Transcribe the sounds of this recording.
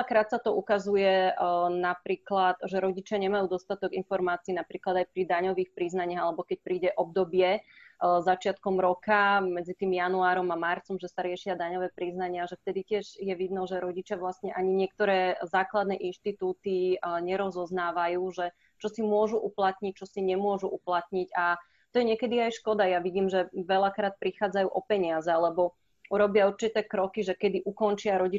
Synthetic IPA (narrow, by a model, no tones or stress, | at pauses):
akɾaːt̪sat̪ɔukazujɛnapɾiːklat̪ʒɛɾɔɟit͡ʃɪaɲɛmajuːd̪ɔst̪at̪ɔɡinfɔɾmaːt͡siiːnapɾiːklad̪ajpɾid̪aɲɔʋiːxpɾiznaɲɪaɦalɛbɔkɛc̚pɾiːɟɛʔɔb̚d̪ɔbɪɛ | zat͡ʃɪat̪kɔmɾɔkamɛd͡zit̪iːmjanuaːɾɔmamaɾt͡sɔmʒɛsaɾɪɛʃɪad̪aɲɔʋɛːpɾiznaɲɪaʒɛft̪ɛd̪icɪɛʒjɛʋid̪nɔʒɛɾɔɟit͡ʃɪaʋlast̪ɲɛʔaɲiɲɪɛk̚t̪ɔɾɛːzaːklad̪nɛːʔinʃt̪it̪uːt̪iɲɛɾɔzɔznaːʋajuːʒɛ | t͡ʃɔsimʊɔʒuʔuplat̪ɲic̚t͡ʃɔsiɲɛmʊɔʒuʔuplat̪ɲica | t̪ɔjɛɲɛkɛd̪iajʃkɔd̪ajaʋiɟiːmʒɛʋɛlakɾaːt̪̚pɾixaːd͡zajuːʔɔpɛɲɪazɛalɛbɔ | uɾɔbɪauɾt͡ʃit̪ɛːkɾɔkiʒɛkɛd̪iʔukɔnt͡ʃɪaɾɔɟi